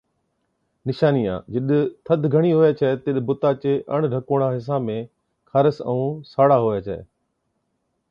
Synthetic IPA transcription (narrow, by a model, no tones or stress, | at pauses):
nɪʃaːnijã̰ːd͡ʑɪɗt̪ʰəd̪ʱɡʱəɽ̃iɦoːjat͡ɕʰəet̪ɪɗbʊt̪aːt͡ɕeːʔəɽ̃ɖʱəkoːɽ̃ãːɦɪs̬ãːmẽ | kʰaɾəsə̰ũːsaːɽaɦoːjat͡ɕʰəḛː